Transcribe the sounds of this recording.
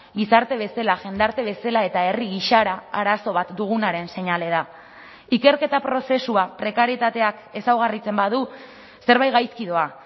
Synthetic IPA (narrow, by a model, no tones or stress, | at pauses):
ɡisaɾt̪e̞β̞e̞selaʝe̞nd̪aɾt̪e̞β̞e̞salae̞t̪ae̞riɣiʃaɾaaɾaso̞β̞at̪d̪uɣ̞unaɾe̞nse̞ɲale̞ð̞a | ike̞ɾke̞t̪apɾo̞se̞suapɾe̞kaɾjet̪at̪e̞ake̞sawɣ̞arit͡se̞mbaðu | se̞ɾβajɣajskiðo̞a